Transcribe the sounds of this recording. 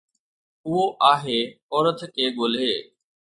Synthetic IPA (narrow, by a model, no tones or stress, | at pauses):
ʊɦoʔaːɦeː | ɔːɾət̪kʰeːɠoːleː